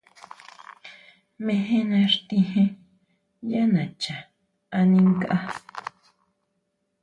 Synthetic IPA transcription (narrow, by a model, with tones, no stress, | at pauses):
mẽ˧ɦẽ˦nã˧ɾt̪ĩ˧hẽ˦ | ja˦nã˨t͡ʃa˨ | a˧nĩ˧ŋka˦ʔa˦